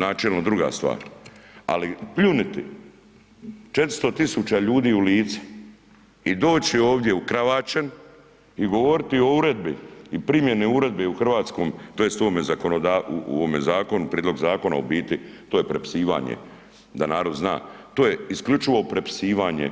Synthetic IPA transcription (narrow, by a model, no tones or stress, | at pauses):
naːt͡ʃelnod̪ɾuɡa̰ːst̪ʋa̰ːɾa̰lipʎunit̪i | t͡ʃe̞t̪ɾi̥st̪o̞t̪isut͡ɕaʎuːd̪iːuliːt̪si̥ | id̪o̞ːt͡ɕioːʋd̪je̞ukɾaʋaːt͡ʃen | iɡo̞ʋo̞ɾit̪io̞uɾe̞d̪biipɾimjeniuɾe̞d̪̚beuxr̩ʋaːt̪sko̞ːmt̪oːjest̪oomezakonod̪aːuṵomezaːko̞nupɾied̪lo̞ɡzaːko̞na̰obiːt̪it̪oːje̞pɾepi̥siːʋa̰ːɲḛ | d̪anaːɾo̞d̪zna̰ːt̪oːjeisklʎut͡ʃiʋo̞pɾe̞pi̥siːʋaːɲḛ